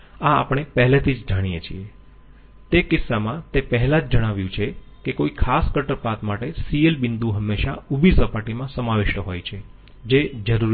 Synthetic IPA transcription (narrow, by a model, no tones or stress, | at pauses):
a̰ːpɽ̃epɛɦɛlet̪ʰid͡ʒd͡ʒaɽ̃ijet͡ʃʰḭe | t̪ekɪsːamãt̪epəɦɛlãd͡ʒd͡ʒəɽ̃aʋjũt͡ʃʰe | kekoikʰaskəʈəɾpat̪maʈesielbɪnd̪ũɦəmːeʃaubʱisəpaʈimãsəmaʋɪʃʈəɦojt͡ʃʰe | d͡ʒed͡ʒəɾuɾ